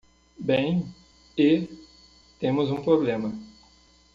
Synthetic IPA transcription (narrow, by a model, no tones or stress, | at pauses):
bẽj̃ | e | t̪ẽmʊzũpɾoblẽmɐ